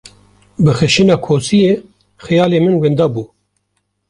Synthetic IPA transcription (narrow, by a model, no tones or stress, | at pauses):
bɨxɛʃinɑːkʰoːsijeː | xɛjɑːleːmɨnwend̪ɑːbuː